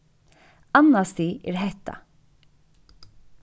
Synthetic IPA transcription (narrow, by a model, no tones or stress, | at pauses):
anːast̪iʔɛ̰ɾɦɛht̪a̰